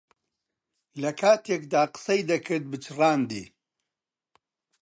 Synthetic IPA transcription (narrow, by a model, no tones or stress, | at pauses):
lɐkʰaːt̪ʰeːkd̪aːqɨ̥sɐjd̪ɐkʰɨɾt̪̚bɨt͡ʃʰɨraːnd̪ḭː